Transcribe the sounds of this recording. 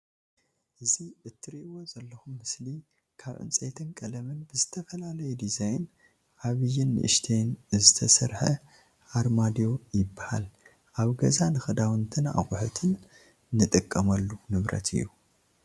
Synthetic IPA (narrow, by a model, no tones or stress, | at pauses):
ʔɨziʔɨt̪ʰːɨɾiʔwo̞zɐlːɐxumːɨsli | kʰaβʕɨ̰nt͡sʼḛjt̪ʰɨnkʼɐlɐmɨnbɨzɨt̪ʰɐfɐlalɐjud̪izajn | ʔaβɨjːɪnːɨ̰ʔɨ̰ʃt̪ʰejnzɨt̪ʰɐsɐɾħɐ̰ | ʔaɾmad̪ijo̞jɪbːaha̰l | ʔaβɡɐzanɨxɐd̪awɨnt̪ʰɨna̰kʼʊħut̪ʰɨnː | ɨt̪ʼɨkʼːɐmɐlːunɨβɾɐ̰t̪ʰɨ̰jːu